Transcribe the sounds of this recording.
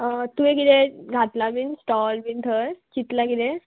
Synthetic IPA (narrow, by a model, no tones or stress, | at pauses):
t̪uekid̪eɡʱat̪labinsʈɔlbint̪ʰəɾt͡ɕit̪lakid̪e